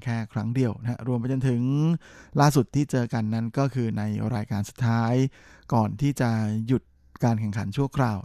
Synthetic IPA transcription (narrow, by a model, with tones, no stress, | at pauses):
kʰɛː˥˩kʰɾa˦˥ŋdi˨˩əwna˦˥ɾu˧əmp̬a˧jt͡ɕo˧nt̪ʰɯ˩˦ŋ | laː˥˩su˨˩t̪ʰːiː˥˩t͡ɕɤː˧ka˧nːa˦˥nkɔː˥˩kʰɯː˧na˧jɾaː˧jkaː˧nsu˨˩t̪ʰːaː˦˥jkɔː˨˩nt̪ʰiː˥˩t͡ɕa˨˩ju˨˩t̪̚ | kaː˧nkʰɛ˨˩ŋkʰa˩˦nt͡ɕʰu˥˩ɐkʰɾaː˧w